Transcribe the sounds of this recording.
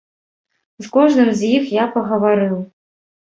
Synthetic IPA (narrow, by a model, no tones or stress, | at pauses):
zkɔʒnɨmzʲjixjapɐɣɐvaɾɨwˠ